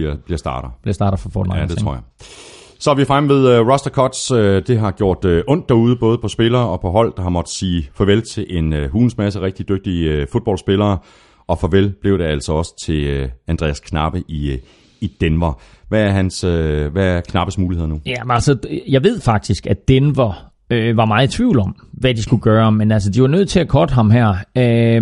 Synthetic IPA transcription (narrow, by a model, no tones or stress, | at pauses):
b̥liɐsd̥ɑ̈ːɾ̥̩ˠb̥liɐsd̥ɑ̈ːɾð̩ˠfɒfɔ̰ːld̥et͡sʰʁo̰ja | sɒ̽ʋiɑfʁamʋe̝ð̞ˠøʁɒ̽sd̥ækʰɒ̽d̥sød̥e̝ɦɑ̈ɡ̥jo̝ɐ̰d̥øʔɔ̽n̰d̥ːæɐuːð̞ˠəb̥ɔ̽ːð̞ˠəpʰɒ̽sb̥e̝lɐːɒ̽pʰɒ̽ɦɒ̽l̰d̥ɑ̈hɑ̈mɒ̽d̥siːfɒ̽ʋelt͡sʰe̝lʔe̝nɦuːn̩smæs̬əʁɛɡ̥̚d̥id̥øɡ̥̚d̥ifo̝ð̥̚ˠb̥ɒ̽lsb̥e̝lɐː | ɒ̽fɒ̽ʋelb̥le̝ʊɾ̥e̝æl̰sɒ̽ɒ̽sə̥t͡sʰe̝lænd̥ʁɛ̰ːæskʰnɑ̈b̥əʔi | id̥enʋɐ | ʋææɐɦænsøʋæɐkʰnɑ̈b̥əsmuːlihe̝ð̰ˠɐnujæælsəjɑ̈ɪʋe̝ð̞̰ˠfɑ̈ɡ̥̚d̥isɡ̥æd̥enʋɐ | øʋɑ̈mɑ̈ːð̩ˠt͡sʰʋḭʊ̰lɒ̽mʋæd̥isɡ̥uɡ̥ɶːɐmenæls̬əd̥iʋɑ̈nøð̞̰ˠt͡sʰe̝ækʰɒd̥ɦɑ̈mɦæɐ̰ø